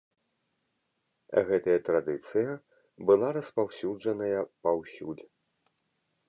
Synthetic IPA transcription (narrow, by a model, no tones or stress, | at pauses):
ɣɛt̪ɐjɐt̪ɾad̪ɨt̪sɨjɐ | bɨlˠaɾɐspawsʲuʐɐnɐjɐpawsʲṵlʲ